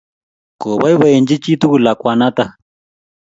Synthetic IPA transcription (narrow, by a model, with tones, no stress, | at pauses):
ko˨βa˦jβa˦e˨nd͡ʒi˦t͡ʃi˦t̪u˦ku˨la˨kwa˧na˦t̪a˦˨